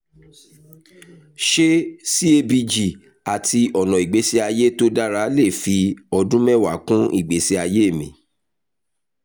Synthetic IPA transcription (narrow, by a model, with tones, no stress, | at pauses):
ʃe˦si˦e˧bi˧d͡ʒi˨ | a˨tʰi˧ɔ˨nɔ̃˨i˨ɡ͡be˨˦si˧a˧je˦to˦da˦ɾa˨˦le˦˨fi˧ɔ˧dũ˦mɛ̃˦˨wa˨˦kũ˦i˦˨ɡ͡be˨˦si˧a˧je˦e˦˨mĩ˨